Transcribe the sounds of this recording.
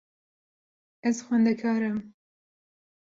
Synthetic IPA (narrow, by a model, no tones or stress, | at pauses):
ɛzxʷwɛnd̪ɛkʰɑːɾɨm